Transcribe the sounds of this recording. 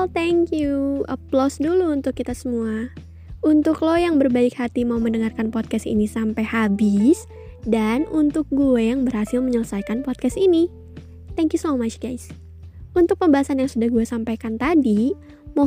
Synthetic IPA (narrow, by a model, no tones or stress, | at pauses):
ɛlt̪ɛŋkjuə̰plɔsduluːnt̪ʊkːit̪asəmua | unt̪ʊklɔjaŋbərbaɪkhat̪imauməndəŋarkanpɔt̪̚kɛstḭnisampajhabɪs | danunt̪ʊk̚ɡuɛjaŋbərhasɪlməɲələsajkanpɔt̪̚kɛst̪ini | t̪ɛŋkjusomaʃɡ̥ajs | unt̪ʊk̚pəmbaɦasanjaŋsudahɡuasampajkant̪adi | mo